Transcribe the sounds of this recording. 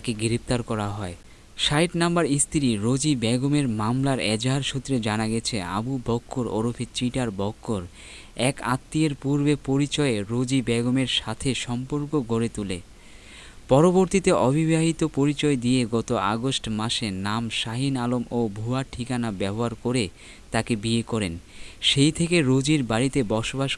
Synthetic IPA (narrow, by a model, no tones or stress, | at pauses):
akeɡiɾep̚t̪aɾkɔɾaɦɔe | ʃajʈnambaɾist̪ʰiɾiɾod͡ʑibɛɡomeɾmamlaɾɛd͡ʑɦaɾʃut̪ːɾed͡ʑanaɡɛt͡ɕʰea̰bubʱɔkʰːoɾo̰ɾofʰit͡ɕiʈaɾbɔkːoɾ | ɛka̰t̪ːieɾpuɾbepoɾit͡ɕɔeɾod͡ʑibɛɡomeɾʃat̪ʰeʃɔmpoɾkoɡʱoɾet̪ule | pɔɾoboɾt̪it̪eʔɔbʱibʱaɦit̪opoɾit͡ɕɔed̪ijeɡɔt̪oaɡosʈmaʃenamʃaɦinalomobʱuaʈʰikanabɛboɦaɾkoɾe | t̪akebiekɔɾenʃejt̪ʰekeɾod͡ʑiɾbaɾit̪ebɔʃobaʃ